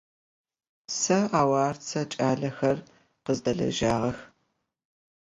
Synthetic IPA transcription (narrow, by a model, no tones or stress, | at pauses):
sɐaːwaːrt͡sʰɐt͡ʃʼaːɮɐxɐr | qəzdɐɮɐ̰ʒaːʁɐx